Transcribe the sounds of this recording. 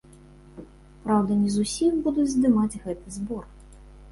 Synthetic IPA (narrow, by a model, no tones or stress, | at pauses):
pɾawd̪ɐnʲizusʲimbud̪ud͡zʲzd̪ɨmad͡zʲɣɛt̪ɨzbɔr